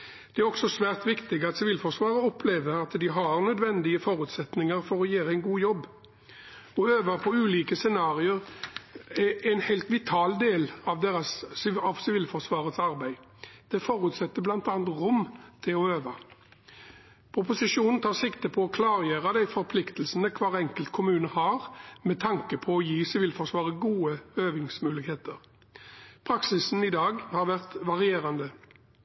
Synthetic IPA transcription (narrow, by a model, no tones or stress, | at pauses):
d̪̥ɛæɾɔksɔsʋæːʁt̪ʋɪkt̪ɪɡɑt̪sɪʋiːlfɔʂʋɑːʁəɔpʰleːʋəɾɑt̪d̪ɪɦɑɾnœd̪ʋɛnd̪ɪəfɔɾʉːt̪sɛt̪nɪŋəɾfɔɾɔjeːɾæɛɪnɡuːjɔbː | ɔøːʋəpʰɔʉːliːkəsɛnɑːʁɪəʁ | ææɪnhæɪlt̪ʋɪt̪ʰɑːld̪eːlɑʋd̪eːʁɑsɑʋsɪʋiːlfɔʁsʋɑːʁət̪sɑɾbæɪ | d̪̥ɛfɔɾʉt̪sɛt̪ːəblɑnt̪ɑːnɑt̪ʁʊmt̪ʰɪlɔøːʋɑ | pʰʊpʊsɪʂuːnn̩t̪ʰɑːʁsɪkt̪əpʰɔɔkʰlɑːʁjeːʁəd̪æɪfɔɾpʰlɪkt̪əlsənəkʰʋɑːʁɛŋkəlt̪̚kʰʊmʉːnəhɑʁmɛt̪ʰɑŋkəpʰɔɔjiːsɪʋɪːlfɔʂʋɑːʁəɡuːəøːʋɪŋsmʉːlɪkheːt̪əʁ | pʰʁɑksɪsn̩ɪd̪ɑːɡhɑɾʋæʁt̪ʋɑʁɪeːʁɑnd̪ə